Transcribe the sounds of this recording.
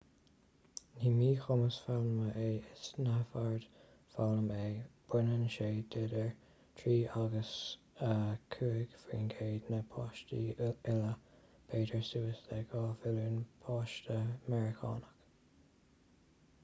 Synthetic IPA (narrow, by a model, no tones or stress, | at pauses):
niːmiːxʊməsfalnəməʔeːɪsnafaɹd̪̥ | falnəmeːb̥ɪnənʃeːd̪edəɹ | t̪ʰɹiːʔaɡəs | əkʰuːɪɡfɹḭːnɡʰeːd̪nəpʰɑːʃtiɪlə | b̥ʰeːdəɹsuːəstɛɡɑːfɪluːnpʰɑːʃtəmɛɹɪkʰɑ̰ːnək